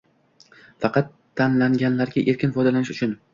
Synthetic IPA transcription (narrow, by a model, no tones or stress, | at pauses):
fɑqɑt̪ʰːanlaŋɡʲanlaɾɡʲaʔe̞ɾkʲɪnfɒjd̪alanɪʃʊt͡ʃʰʊn